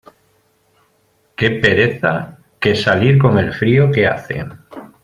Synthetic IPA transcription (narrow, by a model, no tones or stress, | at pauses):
ke̞pe̞ɾe̞θa | ke̞saliɾko̞ŋe̞lfɾioke̞a̰θe̞̰